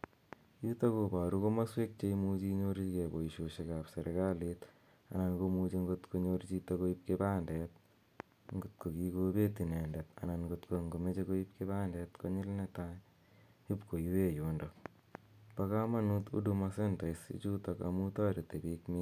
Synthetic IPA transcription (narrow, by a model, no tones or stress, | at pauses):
jutakobaɾukomaswek̚t͡ʃeimut͡ʃiɲoɾikeboiʃoʃekaːpseɾkalit̪ | a̰nankomut͡ʃeŋɡot̪koɲoɾt͡ʃitakoip̚kebaːndɛt̪̚ | ŋɡot̪̚kokikobet̪inendet̪a̰nanɡot̪koŋɡomet͡ʃekoipkebaːndɛt̪koɲɪlneta | ipkojuwejoːndo | pakamanut̪ṵdumasentaisḭt͡ʃuːtaka̰mutaɾetebikmi